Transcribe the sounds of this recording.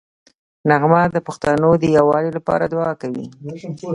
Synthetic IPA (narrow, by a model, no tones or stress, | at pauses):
naɣmad̪əpʊxt̪anod̪əjawɑlilapɑ̰ɾad̪wɑkawḭ